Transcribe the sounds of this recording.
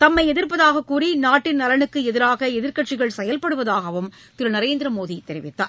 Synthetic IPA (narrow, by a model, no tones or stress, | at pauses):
t̪ɐmːɐɪɛðɪɾpɐðaːɣɐkːuːrinaːʈːɪnnɐɾɐɳɯkːɯɛðɪɾaːɣɐɛðɪɾkɐʈ̚t͡ʃɪɣɐɭsɛjɐlpɐɽɯʋɐðaːɣɐʋɯm | t̪ɪɾɐnɐɾeːnd̪ɪɾɐmoːðit̪ːɛɾɪʋɪt̪ːaː